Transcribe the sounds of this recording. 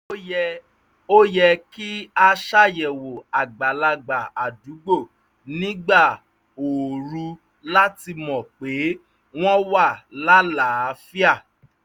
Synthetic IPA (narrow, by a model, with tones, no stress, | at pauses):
o˦jɛ˧ki˦a˧ʃa˦jɛ˨wo˨a˨ɡ͡ba˨la˧ɡ͡ba˨a˨du˨˦ɡ͡bo˦˨ | nĩ˦ɡ͡ba˦˨ | o˨ɾu˧ | la˦ti˧mɔ̃˨k͡pe˨˦ | w̃ɔ̃˦wa˦˨la˦la˨˦fi˦a˦˨